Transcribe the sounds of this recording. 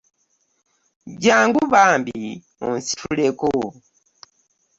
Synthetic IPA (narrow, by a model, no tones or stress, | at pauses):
d͡ʒaŋɡuβambi | unsi̥tʰulɛko